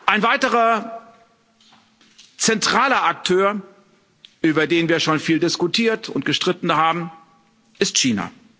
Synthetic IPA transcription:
ʔaɪnvaɪtəʁɐ | t͡sɛntʁ̥aːlɐʔak̚tʰøːɐ | ʔyːbɐdeːnviːɐʃoːnfiːldɪskʊtʰiːɐtʰʊntɡ̥əʃtʁ̥ɪtn̩haːbm̩ | ʔɪstʃiːna̰

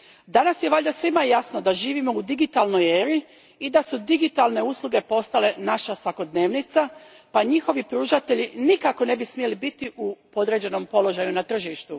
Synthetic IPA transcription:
d̪anasjeʋaʎʲd̪asʋimajasnod̪aʒiːʋimoud̪iɡit̪alˠno̞jeːɾi | id̪asud̪iɡit̪alne̞uːslˠuɡe̞po̞st̪ale̞naʃasʋako̞d̪ne̞ːʋnit̪sa | paɲixo̞ʋipɾuːʒat̪e̞ʎinikako̞ne̞bismie̞libit̪iʔupo̞d̪ɾe̞d͡ʑe̞no̞mpo̞lo̞ʒajunat̪r̩ʒiʃt̪u

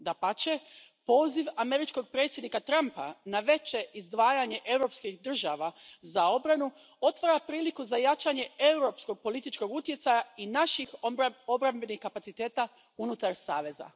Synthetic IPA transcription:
d̪apat͡ʃe̞ | po̞ːziʋame̞ɾit͡ʃko̞ɡ̚pɾe̞t̪sʲje̞d̪nikat̪ɾampa̰naʋe̞t͡ʃe̞ʔizd̪ʋaːjaɲe̞ʔe̞wɾo̞pskixd̪r̩ʒaʋazao̞bɾanu | o̞t̪ʋaɾapɾiːlikuzajat͡ʃaɲe̞e̞uɾo̞psko̞ɡ̚po̞lit̪it͡ʃko̞ɡut̪je̞t̪sajainaʃixo̞bɾambe̞nixkapat̪sit̪e̞ːt̪a | unut̪aɾsaːʋe̞za̰

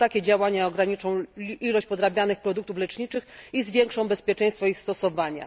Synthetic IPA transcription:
t̪akʲɛd͡ʑawaɲaɔɡɾaɲit͡ʂɔ̃w̃ilɔɕt͡ɕʲpɔd̪ɾabʲjanɘxpɾɔd̪uk̚t̪uflɛt͡ʂɲit͡ʂɘxizvʲjɛŋkʂɔ̃w̃bɛspʲjɛt͡ʂɛ̃j̃st̪fɔixst̪ɔsɔvaɲa̰

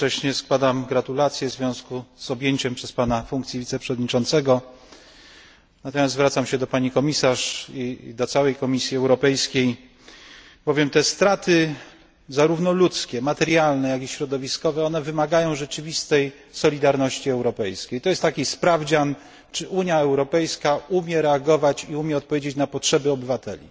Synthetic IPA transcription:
t͡ʂɛɕɲɛskwad̪amɡɾat̪ulat̪sʲjɛvzvʲjɔ̃w̃skuz̥ɔbʲjeɲt͡ɕɛmpʂɛspanafuŋkt̪sʲjivʲit̪sɛpʂɛvɔd̪ɲit͡ʂɔnt̪sɛɡɔ | nat̪ɔmʲjazt̪vɾat̪samɕɛd̪ɔpaɲikɔmʲisaʂid̪ɔt̪sawɛjkɔmʲisʲjiɛwɾɔpɛjskʲej | bɔvʲjɛmt̪ɛst̪ɾat̪ɘ | zaɾuvnɔlut̪skʲɛmat̪ɛɾjalnɛjakiɕɾɔd̪ɔvʲiskɔvɛɔnɛvɘmaɡajɔ̃w̃ʐɛt͡ʂɘvʲist̪ɛj | sɔlʲid̪aɾnɔɕt͡ɕiɛwɾɔpɛjskʲejt̪ɔjɛst̪ːakʲispɾavd͡ʑan | t͡ʂɘʔuɲjaɛwɾɔpɛjskaumʲjɛɾɛaɡɔvat͡ɕiumʲjɛɔt̪̚pɔvʲjed͡ʑet͡ɕnapɔtʂɛbɘɔbɘvat̪ɛ̰lʲḭ

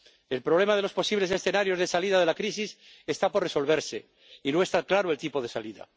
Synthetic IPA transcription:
elpɾoβ̞le̞mað̞e̞lo̞spo̞siβle̞se̞sθe̞naɾjo̞zðesalið̞að̞e̞lakɾis̬is | est̪aporeso̞lβ̞eɾse̞ | inoe̞st̪aklaɾoe̞lt̪ipoð̞e̞saliða̰

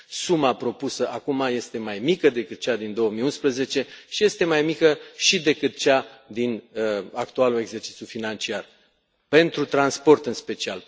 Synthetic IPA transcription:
sumapɾo̞pusəʔakumaje̞st̪e̞majmikəd̪e̞kɨt̪̚t͡ʃad̪ind̪o̞woəmiunspɾəze̞t͡ʃe̞ʃije̞st̪e̞majmikəʃid̪e̞kɨt̪̚t͡ʃad̪inakt̪ualule̞ɡze̞rt͡ʃit̪sʲjufinant͡ʃiar | pe̞nt̪ɾut̪ɾanspo̞rt̪ɨnspe̞t͡ʃia̰l

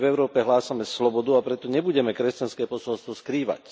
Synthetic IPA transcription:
vɛʊɾɔːpɛɦlaːsamɛslɔbɔd̪uapɾɛt̪ɔɲɛbuɟɛmɛkɾɛscanskɛːpɔsɔlst̪ʋɔskɾiːʋa̰c

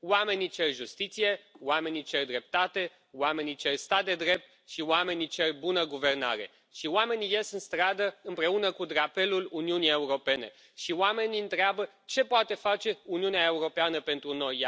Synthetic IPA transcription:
wame̞nit͡ʃe̞rʲʒust̪it̪sije̞wame̞nit͡ʃe̞rd̪ɾe̞p̚t̪at̪e̞ | wame̞nit͡ʃerʲst̪at̪̚d̪e̞d̪ɾe̞p̚t̪̚ | ʃiwame̞nit͡ʃe̞rʲbunəɡuve̞rna̰ɾe̞̰ | ʃioame̞nije̞sɨnst̪ɾad̪əɨmpɾe̞unəkud̪ɾape̞luluniunije̞uɾo̞pe̞ne̞̰ | ʃiwame̞niɨnt̪ɾeabə | t͡ʃe̞poat̪e̞fat͡ʃe̞uniuneae̞uɾo̞peanəpe̞nt̪ɾuno̞j

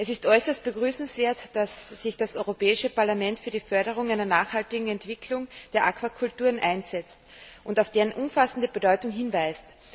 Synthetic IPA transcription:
ʔɛsɪstʔɔʏsɐst̚b̥əɡʁyːsn̩sv̥eːɐtd̥asːɪçd̥asɔʏʁopɛːɪʃəpaɐlamɛ̃ntfyːɐdiːfœɐɾəʁ̞ʊŋaɪnɐnaːχhaltɪɡŋ̩ɛntv̥ɪkʰlʊŋd̥eːɐʔakʰv̥akʰʊltuːɐnʔaɪnz̥ɛt͡stʔʊntaʊfd̥eːʁənʔʊmfasən̩dəbədɔʏtʊŋɦɪnvæɪst

